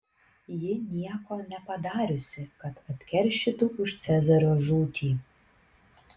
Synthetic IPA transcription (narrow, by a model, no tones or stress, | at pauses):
jɪnʲijɛkɔnʲɛpɐd̪ɑːɾʲusʲɪkɐt̪ɐt̪ʲkʲɛrʲʃɪt̪uʊʃt͡ssʲɛzɐɾoʒuːt̪ʲʰi